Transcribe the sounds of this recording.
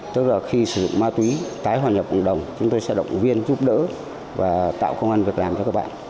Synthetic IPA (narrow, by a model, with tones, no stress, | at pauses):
t̪ɨ˦˥k̚laː˨˩xi˧sɨ˧˩zʊ̰˧˨ŋ͡mmaː˧t̪wi˨˦t̪aː˨˦jɦwaː˨˩ɲə˨˩p̚kə̰˨˩ɗə˨˩wŋ͡mt͡ɕʊ˨˦ŋ͡mt̪o˧jsɛ̰˧˥ɗə̰˧˨wŋ͡mvi˧ənzu˦˥p̚ɗə̰ː˧˥ | vaː˨˩t̪a̰ː˧˨wkə˧wŋ͡mʔa˧nvi˨˩ək̚laː˨˩mt͡ɕɔ˧kaː˦˥k̚ɓa̰ː˧˨